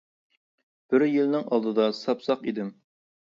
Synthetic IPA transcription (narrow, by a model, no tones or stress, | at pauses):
b̥ɪɾjilnɪŋɑlˠd̪ɨd̪ɑsɑpsɑqid̪ɪm